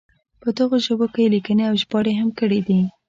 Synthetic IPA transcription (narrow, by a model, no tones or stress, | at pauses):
pəd̪əɣoʒəbokejelikəneawʒbɑɽeɦamkəɽid̪i